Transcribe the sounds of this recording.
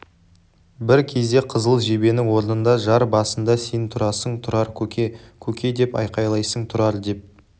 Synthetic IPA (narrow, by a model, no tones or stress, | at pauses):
bɪɾkʲʰe̞zd̪e̞qʰəzəlˠʒe̞be̞nɪŋwo̞ɾnənd̪ɑʒɑɾbɑsənd̪ɑsejnt̪ʰʊɾɑsəɴt̪ʰʊɾɑɾʲekʲʰɵkʲe̞d̪e̞pɑ̰jqɑjlˠɑjsəŋt̪ʰʊɾɑɾd̪e̞p̚